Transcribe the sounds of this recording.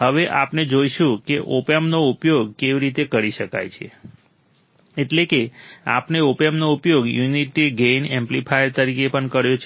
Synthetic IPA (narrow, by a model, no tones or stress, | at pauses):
ɦəʋeʔapned͡ʒojʃũkeʔopemnoupjoɡ̚keʋiɾit̪ekəɾiʃəka̰jt͡ʃʰḛ | eʈlekea̰pneopemnoupjoɡjuniʈiɡenẽmplipʰajəɾt̪əɾikepəɳkəɾjot͡ʃʰ